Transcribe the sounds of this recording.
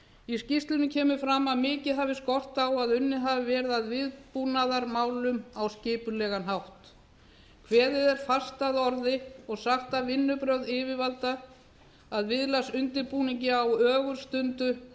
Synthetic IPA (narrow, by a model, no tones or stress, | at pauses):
iscist̪lɪnɪcʰɛːmʏfɾamːaðmɪːcɪðɦavɪskɔr̥t̪awaðʏnːɪɦavɪvɛːɾɪðaðvɪðpuːnaðaɾmaːwlʏmawscɪːpʏlɛːɣanɦawht̪ | kʰvɛːðɪðɛɾ̥fast̪aðɔɾðɪɔɣsaxt̪avɪnːʏpɾœðɪːvɪvalt̪aː | ðvɪðlasʏnt̪ɪɾpuːniɲcɪawœːɣʏɾ̥st̪ʏnt̪ʏ